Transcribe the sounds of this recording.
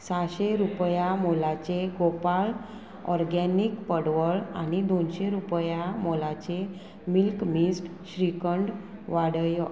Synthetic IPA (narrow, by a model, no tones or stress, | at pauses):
saɕeɾupjamolat͡ɕeɡopal | ɔɾɡɛniːkpəɽʋəɭa̰ñid̪onɕeɾupjamolat͡ɕe | milkmisʈ | ɕɾikəɳɖ | ʋaɽəj